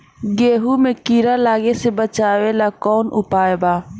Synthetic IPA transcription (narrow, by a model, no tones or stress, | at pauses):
ɡeːɦumẽkiːɾalaːɡesebət͡ʃaːwelakɔːnʊpaːebaː